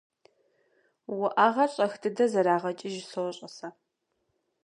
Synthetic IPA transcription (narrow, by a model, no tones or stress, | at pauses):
wʊʔaːʁɐɕʼɐxdɨdɐzɐɾaːʁɐt͡ʃʼɪʒɪsowɕʼɐsɐ